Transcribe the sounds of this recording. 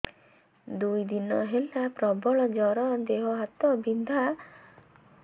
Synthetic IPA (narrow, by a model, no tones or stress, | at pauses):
d̪ujd̪inɔɦelapɾɔbɔɭɔd͡ʒɔɾɔd̪eɦɔɦat̪ɔbind̪ʱa